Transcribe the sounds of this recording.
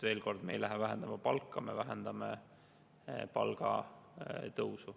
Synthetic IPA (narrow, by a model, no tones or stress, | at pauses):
ve̞ːlko̞rd̪mḛjlæɦɛvæɦend̪̥ɑmɑpɑlkːˑɑmḛvæɦend̪̥ɑmḛ | pɑ̰lɡ̥ɑ̰ | t̪ɤwsu